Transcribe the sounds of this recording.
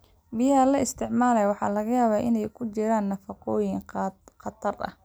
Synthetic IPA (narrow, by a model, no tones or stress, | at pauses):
bɪjɦɐlɐɪst̪ʰɪʕmaːlɛjwɑħɑ̰ːlɐɣɐjaːβaːʔɪnɛjkʰʊt͡ʃɪɾaːnːɐfɑqɔːjɪŋqɑt̪ʰɐrɐ̰h